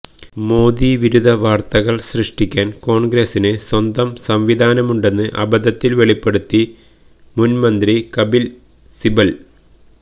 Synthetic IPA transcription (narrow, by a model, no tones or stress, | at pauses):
mo̞ːd̪iʋiɾud̪ʱɐʋaːrt̪ɐɣɐɭsrɨʂʈikʲːaːnko̞ːɳɡɾesinɨswɐnd̪ɐmsɐmʋid̪ʱaːnɐmuɳɖe̞nːɨʔɐ̰bɐd̪ɐt̪ːilʋeɭipːe̞ɽut̪ːi | munmɐnd̪rikɐbil | sibɐl